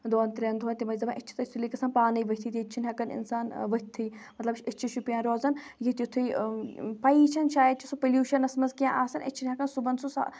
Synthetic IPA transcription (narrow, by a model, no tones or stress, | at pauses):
d̪oːnt̪ɾʲend̪ʱɦoːnʲt̪imɐjzɐbãːʔit͡ʃʰi̥t̪ɐt̪ʰːulikɐsaːnpaːnɐiʋɐɦʲt̪ʰiːt̪it͡ʃʰinɦʲɐkɐnɪ̰nsaːnʋɐɦʲt̪ʰːiːmɐt̪lɐbʃʰʲɐt͡ʃʰiʃupijãːɾoːzɐnjit̪ʲjut̪ʰuipɐit͡ʃʰɐnʃaːjəd̪̚t͡ʃʰisupɐluːʃɐnɐsmɐzkijãːʔaːsɐnʔɐ̰t͡ʃʰinʲɦɐkɐnsubɐnsusa̰